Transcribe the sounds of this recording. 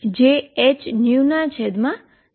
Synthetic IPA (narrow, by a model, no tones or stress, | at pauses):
d͡ʒeɛt͡ʃnjunat͡ʃʰɛd̪mã